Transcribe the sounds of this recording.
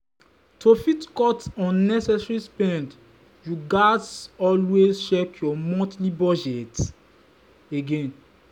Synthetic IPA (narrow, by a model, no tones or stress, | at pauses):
tʰofitkɔtɔ̃nːɛsɛsɹispɛ̃nd | juɡasɔlwezt͡ʃɛkjɔmɔ̃tlibɔd͡ʒɛt | eɡẽn